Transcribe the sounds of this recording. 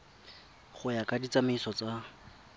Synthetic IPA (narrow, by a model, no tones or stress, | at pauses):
χʊjakʼadit͡samaisɔt͡sa